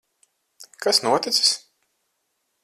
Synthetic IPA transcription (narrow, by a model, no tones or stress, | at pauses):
kasnuɔt̪it̪si̥s